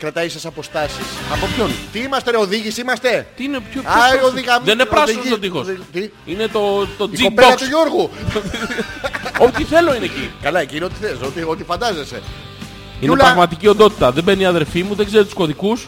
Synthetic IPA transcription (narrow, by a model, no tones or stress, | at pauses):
kɾɐt̪ɐisɐsɐpo̞st̪ɐsisɐpopçont̪iimɐst̪eɾeoðiʝisimɐst̪e̞t̪iinepçoaooðiɣɐðenepɾɐzist̪ot̪ixost̪i | ine̞t̪o̞t̪oid͡ziobeoɐksuʝuɾɣu | ot̪iθe̞lo̞inecḭkɐlɐecinot̪i̥θesot̪iot̪ifɐnd̪ɐzese̞̰ | inelpɾɐɣmɐt̪icio̞nd̪o̞t̪i̥t̪ɐðebe̞niɐðelfimuðeɡze̞ɾit̪u̥sko̞ðikus